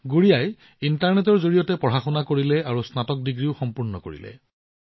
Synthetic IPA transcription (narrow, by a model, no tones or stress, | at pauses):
ɡuɹijaj | intaɹnetɔɹzoɹijɔtɛpɹɔɦaxɔnakoɹilɛaɹusnatɔk̚diɡɹiʊxɔmpuɹnɔko̰ɹḭlɛ̰